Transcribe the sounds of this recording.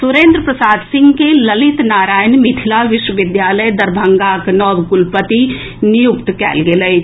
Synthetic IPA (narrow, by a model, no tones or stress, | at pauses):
sʊɾẽːnd̪ɾəpɾəsaːd̪sɪ̃ŋɡkelɐlɪt̪naːɾaːjnmit̪ʰɪlaʋɪʃwəʋɪd̪jaːləjd̪ɐɾbʱə̃ŋɡaknɔːbɡʊlpət̪i | nɪjʊkt̪kɛ̰ːlɡelə